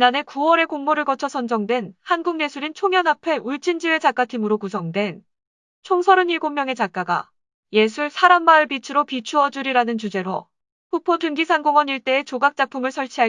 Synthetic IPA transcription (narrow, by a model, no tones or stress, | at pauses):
t͡ɕinane̞kuwʌɾe̞koŋmoɾɯɭɡʌt͡ɕʰʌsʰʌnd͡ʑʌŋdwe̞nhanɡuŋne̞sʰuɾint͡ɕʰoŋjʌnapʰe̞ʔuɭt͡ɕ͈ind͡ʑie̞t͡ɕak͈atʰimɯɾokusʰʌŋdwe̞n | t͡ɕʰoŋsʰʌɾɯniɭɡomjʌŋe̞t͡ɕak͈aɡa̰ | je̞sʰuɭsʰaɾambaɯɭbit͡ɕʰɯɾopit͡ɕʰuʌd͡ʑuɾiɾanɯnt͡ɕud͡ʑe̞ɾo̰ | ɸʰupʰotʰɯŋɡisʰanɡoŋwʌniɭt͈e̞ːt͡ɕoɡak̚t͡ɕ͈apʰumɯɭsʰʌɭt͡ɕʰiɦa